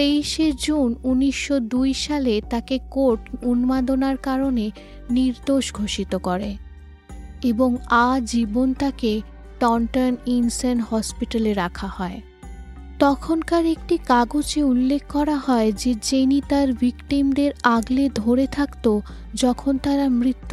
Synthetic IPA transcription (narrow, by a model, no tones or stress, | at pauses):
t̪ejʃed͡ʑununiʃːod̪ujʃalet̪akekoɾʈunmad̪onaɾkaɾone | niɾd̪oʃɡʱoʃit̪okɔɾe | eboŋad͡ʑibont̪ake | ʈɔɳʈaninsenhɔspiʈaleɾakʰahɔe | t̪ɔkʰonkaɾek̚ʈikaɡod͡ʑeulːekʰːɔɾaɦɔed͡ʑed͡ʑenit̪aɾvikʈimd̪eɾaɡled̪ʱoɾet̪ʰakt̪o | d͡ʑɔkʰont̪aɾamɾit̪ː